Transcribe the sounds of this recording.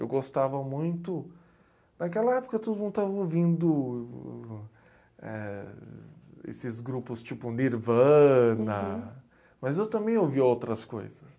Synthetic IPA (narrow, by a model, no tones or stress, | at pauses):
ḛwɡost̪avɐmũj̃t̪ʊ | nakɛlɐɛpʊkɐt̪od̪ʊmũnd̪ʊt̪avɐowvĩnd̪ʊ | ɛ̰ | ḛsɪzɡɾupʊst͡ʃipʊniɾvɐ̃nɐ | mɐzewt̪ɐ̃mbẽj̃owviowt̪ɾɐsko̰jzɐs